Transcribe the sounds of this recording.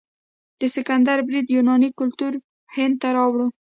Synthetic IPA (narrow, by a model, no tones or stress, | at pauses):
d̪̥əsɪkand̪aɾbɾid̪junɑnikʊlt̪uɾ | hɪnd̪̚t̪aɾɑwɽu